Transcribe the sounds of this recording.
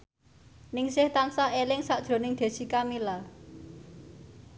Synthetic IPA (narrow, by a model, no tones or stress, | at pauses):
nɪŋsɪht̪ansaelɪŋsad̥ʒ̥ɾo̤nɪŋd̪̥e̤sikamila